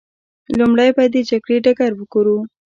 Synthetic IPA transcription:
lumɽajbad̪ed͡ʒaɡɽeɖaɡaɾwəɡ̥oɾu

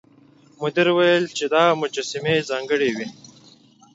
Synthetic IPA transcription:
mʊd̪iɾwajəlt͡ʃed̪ɑːmʊd͡ʒasimezɑːŋɡəɽewi

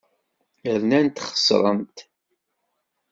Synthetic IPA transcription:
əɾnænt̪χə̥sˤɾˤə̰mt̪

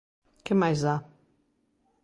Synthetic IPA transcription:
kẽmajza

